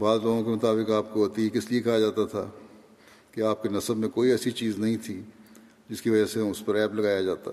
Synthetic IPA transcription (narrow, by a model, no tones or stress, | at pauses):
baːzloːɡõkemɐt̪aːbɪkaːp̚koɦoːt̪iekɪsliekɐɦad͡ʒaːt̪at̪ʰa̰ː | keaːp̚kenɐsəbmẽkoːiɛːsit͡ʃiːznɐɦĩt̪ʰiː | d͡ʒɪskiʋɐd͡ʒaseʊspɐɾɛːplɐɡaːjad͡ʒaːt̪a̰